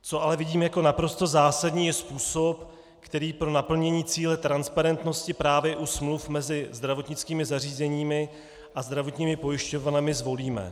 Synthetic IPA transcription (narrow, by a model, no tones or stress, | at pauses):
t͡so̞ʔalɛvɪɟiːmjako̞napɾo̞st̪o̞zaːsadɲiːjɛspuːsop | kt̪ɛɾiːpɾo̞napl̩ɲɛɲiːt͡siːlɛt̪ɾanspaɾɛnt̪no̞scɪpɾaːvjɛʔusmlufmɛzɪzd̪ɾavo̞t̪ɲɪt͡skiːmɪzar̝iːzɛɲiːmɪ | ʔazd̪ɾavot̪ɲiːmɪpo̞jɪʃco̞vanɛmɪzvo̞liːmɛ̰